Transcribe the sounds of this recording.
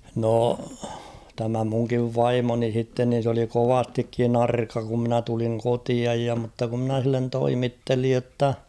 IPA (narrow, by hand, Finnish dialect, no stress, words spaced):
noˑ tæmæ muŋkiʋ ʋɑimoni h̞itːen nin̞ s oli koʋɑstikːin ɑrkɑ ku mnæ tuliŋ kotiɑj jɑ mutːɑ ku mnæ h̞ilːen toimitːelij jotːɑ